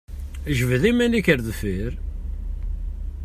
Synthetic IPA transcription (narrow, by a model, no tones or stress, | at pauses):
ʒvəðimænikəɾðfiɾ